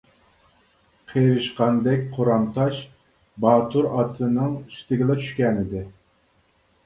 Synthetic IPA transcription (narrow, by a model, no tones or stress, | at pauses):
qʰeɾɨʃqɑnd̪ɛkʲqʰoɾɑmt̪ʰɑʃ | bɑːt̪ʰuɾɑt̪ʰɨnɨŋʃi̥t̪ɪɡʲɪlˠɛt͡ʃʰy̥ʃkʲɛnɪd̪ɪ